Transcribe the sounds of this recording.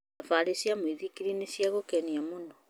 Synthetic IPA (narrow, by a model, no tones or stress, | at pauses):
afaɾesiamwiðikiɾinesiaɣokɛniamonɔ